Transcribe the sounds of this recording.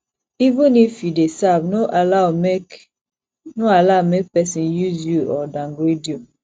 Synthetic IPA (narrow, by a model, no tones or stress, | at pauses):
ivə̃nifidesabnoʔalaʊmɛk | noalaʊmɛk̚pɛsĩnjuzjuʔɔdãŋɡɾediũm